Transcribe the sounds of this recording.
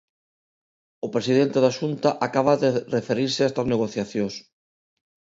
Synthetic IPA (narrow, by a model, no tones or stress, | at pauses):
ʊpɾesiðent̪eðaʃunt̪aʔakaβaðerefeɾiɾsɪast̪azneɣoθjaθjõs